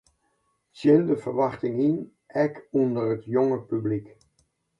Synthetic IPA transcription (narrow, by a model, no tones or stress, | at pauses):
sɪndəvəɹʋɑχtɪŋin | ʔɛkɔndərətjɔŋəpyblik